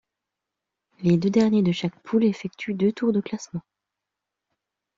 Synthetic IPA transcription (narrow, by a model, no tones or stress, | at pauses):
led̪ød̪ɛʁnjed̪əʃak̚pʰulefɛkt̪ʰyd̪øt̪uʁd̪əklasmɑ̃